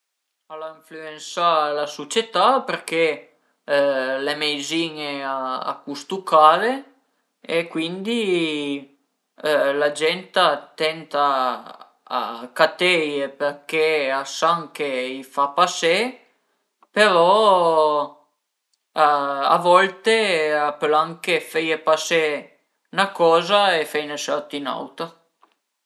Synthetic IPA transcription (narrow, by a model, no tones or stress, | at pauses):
alaiɱfluensalasot͡ʃet̪apeɾke | lemejziːneaa̰kust̪ukʰaːle | ekwind̪i | lad͡ʒɛnt̪at̪ɛnt̪a̰ː | kat̪ejepeɾkeasaŋk̟eifapase | peɾɔ | aa̰vɔlt̪eapːelaŋkefejepase | nakɔːzaefejnesɔɾt̪ina̰wt̪a